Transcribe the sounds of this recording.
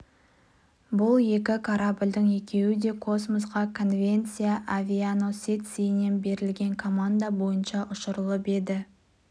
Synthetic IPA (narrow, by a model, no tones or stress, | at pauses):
bʊlˠje̞kʲɪkʰaɾabɪlʲd̪əɴe̞kʲʰe̞wɪd̪e̞kʰo̞smosʁɑkʰo̞nvʲe̞nt̪sijaʔavʲiano̞set̪sijne̞nbe̞ɾɪlɡʲe̞ŋkʰo̞mand̪abo̞jənʃɑʔʊʃəɾəlˠəpe̞d̪ɪ